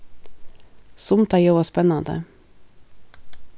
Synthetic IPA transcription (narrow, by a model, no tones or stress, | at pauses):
sʊmt̪ɑjoːʋɑspɛnɑnd̪ə̰